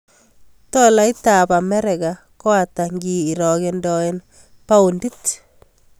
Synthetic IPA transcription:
tɔ˦la˦ɪ˦ta˨pa˨mɛ˦ɾɛ˨ɡa˨ | kɔ˦a˨ta˨ŋɡiː˨ɾɔ˨ɡendɔ˨e˦n | pa˦u˨ndi˦t

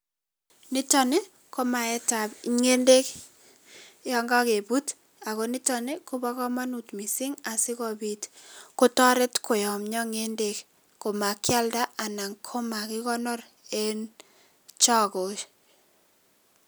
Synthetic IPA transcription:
nɪ˦tɔ˨ne˦ | ko˦ma˨ɛ˦ta˨bŋe˦nde˦k | jɔ˦ŋɡa˦ke˨bu˦t | a˨ko˨nɪ˦tɔ˨ne˦ku˦ba˦kɔ˦ma˦nu˨tmi˨sɪ˦ŋa˨sɪ˦kɔ˨bi˨tko˦tɔ˦ɾɪ˦tko˨jɔ˨mɲɔ˦ŋe˦nde˦k | ko˨ma˨kja˦lda˦a˨na˨ŋkʰo˦ma˨kɪ˦kɔ˦nɔ˦ɾ | e˦n | t͡ʃɔ˦ko˨ʃ

